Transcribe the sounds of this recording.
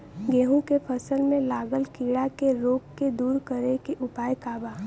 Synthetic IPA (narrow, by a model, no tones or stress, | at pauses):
ɡeːɦũkepʰəsəlmẽlaːɡəlkiːɽakeɾoːkːed̪uːɾkəɾekeʔʊpaːjkaːbaː